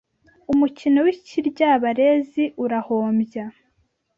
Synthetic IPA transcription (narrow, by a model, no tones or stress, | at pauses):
umucinowiciɾɟaβaɾe̞ːziʔuɾahoːmbja